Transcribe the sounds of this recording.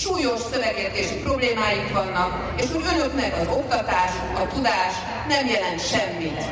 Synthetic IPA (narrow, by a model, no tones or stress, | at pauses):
ʃuːjo̞ʃsøvɛɡjɛt̪eːʃipro̞bleːmaːjikʋɒnːɒk | eːʃhoɟø̞nøknɛkɒzo̞k̚t̪ɒt̪aːʃ | ɒt̪ud̪aːʃ | nɛmjɛlɛnt̪ʃɛmːit̪